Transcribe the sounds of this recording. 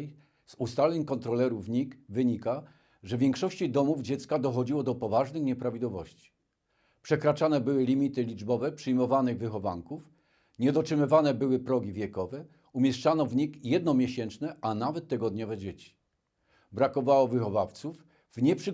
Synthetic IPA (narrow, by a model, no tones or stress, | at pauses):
zust̪alʲɛɲkɔnt̪ɾɔlɛɾuvɲikvɘɲika | ʐɛvʲjɛŋkʂɔɕt͡ɕid̪ɔmuvd͡ʑɛt̪skad̪ɔxɔd͡ʑiwɔd̪ɔpɔvaʐnɘxɲɛpɾavʲid̪wɔvɔɕt͡ɕi̥ | pʂɛkɾat͡ʂanɛbɘwɘlʲimʲit̪ɘlʲid͡ʐbɔvɛpʂɘjmɔvanɘɣvɘxɔva̰ŋkuf | ɲɛd̪ɔtʂɘmɘvanɛbɘwɘpɾɔɡʲivʲjɛkɔvɛ | umʲjɛʂt͡ʂanɔvɲikjɛd̪nɔmʲjeɕɛnt͡ʂnɛʔanavɛt̪ːɛɡɔd̪ɲɔvɛd͡ʑet͡ɕi̥ | bɾakɔvawɔvɘxɔvaft̪suf | vɲɛpʂɘ